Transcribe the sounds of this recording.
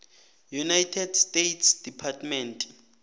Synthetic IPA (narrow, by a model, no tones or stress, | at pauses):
junajtʰɛdstejtʰsd̥ipʰatmɛntʼ